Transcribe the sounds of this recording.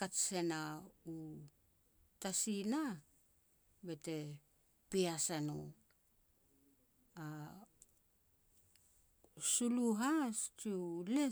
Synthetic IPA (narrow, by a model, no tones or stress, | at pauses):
katse̞nau | tasina | be̞te̞ | piasano | a | suluɦast͡ʃile